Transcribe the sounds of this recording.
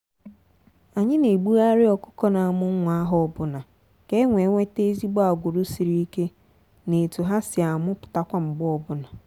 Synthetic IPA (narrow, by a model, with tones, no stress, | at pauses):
a˨ɲɪ˦ne˨ɡ͡bu˦a˦ɾɪ˦ɔ˨kʊ̥˦kɔ˦na˨mʊ˦ŋ̩˦ŋʷa˦a˦ɦɔ˦˨ɔ˦bʊ˦na˨ | ke˦ŋʷe˨ŋʷe˦te˦zi˦ɡ͡bɔ˦a˨ɡʷʊ˨ɾʊ˦si˨ɾi˦i˦ke˦ | ne˨tu˨ɦa˦sɪ˨a˨mʊ˦pʊ̥˨ta˦kʷa˦m̩˨ɡ͡bɔ˦ɔ˨bʊ˦na˨